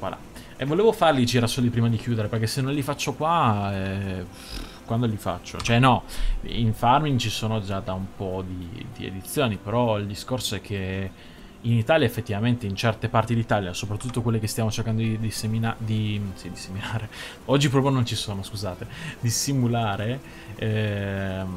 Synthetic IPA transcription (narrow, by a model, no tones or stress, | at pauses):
kwa̰la̰ | ɛvoleːvofarlid͡ʒiɾasoːlipɾiːmad̪ikjuːd̪eɾeperkːesːenːõnlifat͡ʃːokwaɛ | kwand̪olifa̰t͡ʃːo̰t͡ʃoɛnːɔḭɱfarmint͡ʃisoːnod͡ʒad̪aumpɔd̪id̪iḛd̪it̪sːjoːnipeɾɔild̪iskorsoɛkʰːe | init̪aːljaefːet̪ːivament̪eint͡ʃɛrt̪epart̪id̪it̪aːljasopɾat̪ːut̪ːokwelːekest̪jamot͡ʃerkand̪od̪id̪iseminad̪isid̪iseminaːɾe | ɔd͡ʒːipɾɔːp̬jonont͡ʃisoːnoskuzaːt̪ed̪isimulaːɾe | ɛ